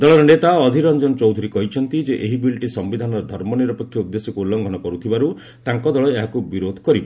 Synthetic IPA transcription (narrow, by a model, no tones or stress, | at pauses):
d̪ɔɭɔɾɔnet̪aɔd̪ʱiɾɔnd͡ʒɔnɔt͡ʃɔwd̪ʱuɾikɔɦit͡ʃʰɔnt̪id͡ʒeʔeɦibilʈisɔmbid̪ʱanɔɾɔd̪ʱɔɾmɔniɾɔpɔkʰjɔud̪ːesjɔkuulːɔŋɡʱɔnɔkɔɾut̪ʰibaɾu | t̪aŋkɔd̪ɔɭɔeɦakubiɾod̪ʱɔ̥kɔɾibɔ